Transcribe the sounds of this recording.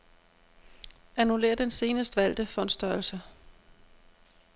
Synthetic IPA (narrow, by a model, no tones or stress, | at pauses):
ænule̝̰ːɐd̥ense̝ːnəsd̥ʋæl̰d̥əfɒ̽n̥sd̥ɶɐlsə